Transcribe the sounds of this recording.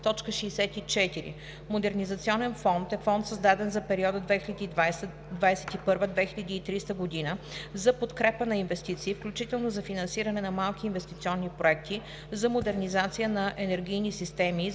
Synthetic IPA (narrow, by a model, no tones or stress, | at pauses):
t̪ɔt͡ʃkəʃɛːsɛt̪it͡ʃɛt̪iɾḭ | mod̪ɛɾnizɐt̪siɔnɛnfɔnt̪ɛfɔnt̪səzd̪ad̪ɛnzɐpɛɾiɔd̪əd̪vɛxilʲɛd̪i | d̪vajsɛt̪ipɤɾvəd̪vɛxʲilʲɐd̪iːt̪ɾist̪əɡod̪inəzɐpot̪kɾɛpənɐinvɛst̪it̪siːfklʲut͡ʃit̪ɛlˠnozɐfinɐnsiɾɐnɛnɐmalˠkʲiːnvɛst̪it̪siɔnːipɾoɛk̚t̪i | zɐmod̪ɛɾnizat̪sijənɐʔɛnɛɾɡʲijnisist̪ɛmi